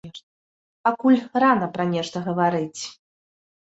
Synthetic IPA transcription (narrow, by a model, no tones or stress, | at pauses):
ɛ | pakulʲranɐpɾɐnʲɛʂt̪ɐɣɐvaɾɨt͡sʲ